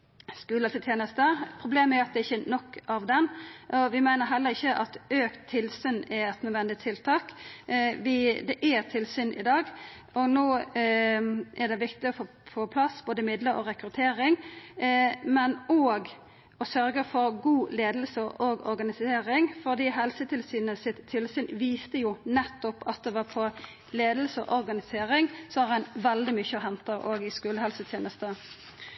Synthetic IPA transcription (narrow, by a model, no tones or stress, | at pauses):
skʉːlət̪ɪt̪ʰjeːnəst̪əpʰɾʊbleːməæɾɑt̪d̪ɛɪçːənɔkːɑʋd̪ɛnʔɔʋɪmæɪnəɦɛlːəɾɪçːəʔɑt̪øːkt̪ʰːɪlsyːnɛɾɛt̪nœːd̪ʋɛnd̪ɪt̪ʰɪlt̪ʰɑːk | ʋɪd̪ɛʔæt̪ʰɪlsyːnʔɪ̰d̪ɑːɡ | ɔnoː | ʔɛd̪ɛʋɪkt̪ɪɔfoː | foːpʰlɑsboːd̪əmɪd̪ləɾɔ̰ɾɛkɾʉt̪ʰeːɾɪŋ | mɛnɔːɡ | ɔsœɾɡəfɔɾɡuːleːd̪lsəɔɾɡɔ̰ɾɡɑnɪseːɾɪŋfɔʁd̪iːɦɛlsət̪ʰɪlsyːnəsɪt̪ʰːɪlsʏːnʋiːst̪əjʊnɛt̪ːɔpɑt̪̚d̪ɛʋɑːpʰɔ | leːd̪əlsəʔɔɾɡɑnɪseːɾɪŋsɔɑʁænʋɛld̪ɪmʏçəɦɛnt̪əɾoːɡɪskʉːləhɛlsət̪ʰjeːnəst̪ə